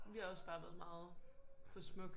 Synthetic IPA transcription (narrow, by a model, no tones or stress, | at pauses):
ʋihɑ̈ɒ̽sb̥ɑ̈ːʋæːð̞̩ˠmɑ̈ːð̩ˠpʰɒ̽smɔ̽ɡ̥